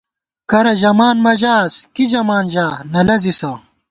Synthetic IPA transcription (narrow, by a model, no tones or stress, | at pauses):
kɐɾɐʑɐmaːnmɐʑaːskiʑɐmaːnʑaːnɐlɐzisɐ